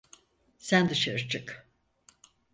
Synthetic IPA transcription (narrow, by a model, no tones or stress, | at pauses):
sænd̪ɯʃaɾɯt͡ʃʰɯk